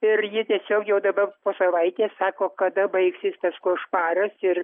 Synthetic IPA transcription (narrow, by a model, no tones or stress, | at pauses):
ɪrjɪt̪ʲiɛsʲoːkjɛʊd̪ɐbɐrpoːsɐʋɐɪt̪ʲeːssɑːkoːkɐd̪ɐbɐɪksʲɪspɐskoːʃpɑːɾɐsɪr